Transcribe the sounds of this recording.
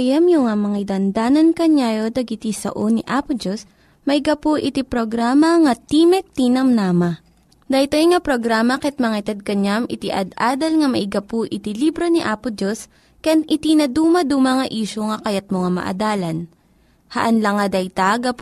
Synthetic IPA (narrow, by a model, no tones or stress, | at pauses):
jɐmjʊŋamɐŋad̪ɐnd̪aːnɐnkɐɲaːjod̪ɐɡɪt̪isɐ̰ʔoniʔaːpʊd͡ʒos | mɐɪɡɐpoʔɪt̪ipɾoɡɾaːmɐŋɐt̪iːmɛk̪̚t̪inɐmnaːmɐ | d̪ɐt̪ojŋapɾoɡɾaːmɐkɐt̪̚mɐŋat̪ɐd̪̚kɐɲamʔɪt̪iʔɐ̰d̪aːd̪ɐlŋɐmɐʔɪɡɐpuʔɪt̪ilibɾoniʔaːpʊd͡ʒos | kɛnʔɪt̪inɐd̪uːmɐd̪uːmɐŋɐʔiːʃoŋɐkɐjɐt̪̚moŋamɐ̰ʔɐ̰d̪aːlɐn | hɐ̰ʔɐnlɐŋɐd̪ɐjt̪aɡɐp